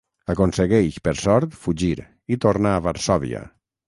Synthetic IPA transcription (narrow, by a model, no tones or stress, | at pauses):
akonseɣɛʃpəɾsɔɾt̪fuʒiɾ | it̪oɾnaːβaɾsɔβḭa̰